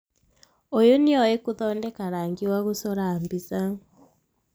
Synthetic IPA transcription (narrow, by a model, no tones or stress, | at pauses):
ojonioikuðoːndekaɾaːŋɡiwaɣusoɾaːmbisa